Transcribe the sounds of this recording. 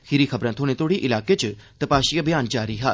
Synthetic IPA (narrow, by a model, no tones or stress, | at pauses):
kʰɪɾiːkʰəbɾãːt̪ʰõːnẽːt̪ʰoːɽiʔɪlaːket͡ʃt̪əpaːʃiːabɪjaːnd͡ʒaːɾiːɦaː